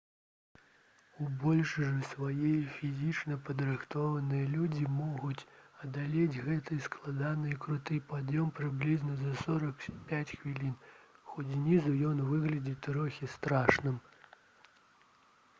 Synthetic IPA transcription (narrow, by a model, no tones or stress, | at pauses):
ubɔlʲʂɨʐɨsvajɛjfʲizʲit͡ʂnɐpɐd̪ɾɨxt̪ɔvɐnɨjɐlʲud͡zʲimɔɣut͡sʲɐd̪alʲed͡zʲɣɛt̪ɨjsklˠad̪anɨjikɾut̪ɨjpad̪jɔmpɾɨblʲiznɐzɐsɔɾɐkpʲat͡sʲxvʲilʲinxɔt͡sʲnʲizujɔnvɨɣlʲɐd͡zʲit̪ɾɔxʲist̪ɾaʂnɨm